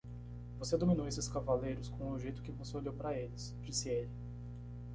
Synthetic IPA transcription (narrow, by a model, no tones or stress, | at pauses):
vosed̪omĩnowesɪskavalejɾʊskõw̃ʊʒejt̪ʊ̥kɪvoseoʎewpɾɐelɪs | d͡ʒisɪelɪ